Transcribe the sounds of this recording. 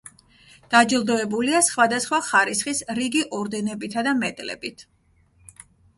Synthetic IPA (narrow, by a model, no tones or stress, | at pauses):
d̪̥ad͡ʒilˠd̪ɔɛbuliasχwad̪asχwaχaɾisχisɾiɡiʔɔɾd̪ɛnɛbit̪ʰad̪amɛt̪ʼlɛ̰bit̪ʰ